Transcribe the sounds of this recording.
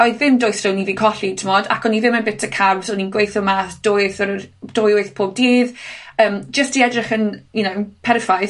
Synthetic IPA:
ɔɨðvɪmdɔjθrəwniviːkʰɔɬitʰɪmɔdakʰɔniðɪmənbɪtʰəkʰarvsɔninɡwejθɔmaθd̥oθəd̥oːjʊɨθpʰoːb̚diːðəːmd͡ʒəstiɛdrɪχənjunowpʰɛɾɪfajθ

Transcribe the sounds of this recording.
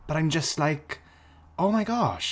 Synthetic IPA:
b̥ʌɾãɪ̃md͡ʒʌstlaɪk | oʊmaɪɡɑʃ

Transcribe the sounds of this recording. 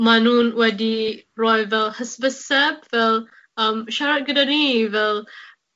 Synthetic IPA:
manunwɛdiɹɔjvɛlhəsbəsɛp̚vɛl | ãmʃaɾat̚ɡədanivɛl

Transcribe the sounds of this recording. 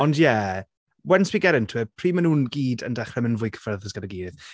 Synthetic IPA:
ɔndjɛ | wɛnswiːɡɛɾəntʰwɛpʰr̥iːmənuːnɡiːdə̰ndɛχɛmənvʊjkʰə̥fɛrðəsɡədəɡiːdɪð

